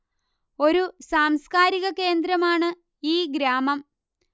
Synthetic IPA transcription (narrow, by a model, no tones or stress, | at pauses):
o̞ɾusaːmskaːɾiɣɐke̞ːnd̪ɾɐmaːɳɨ | iːɡɾaːmɐm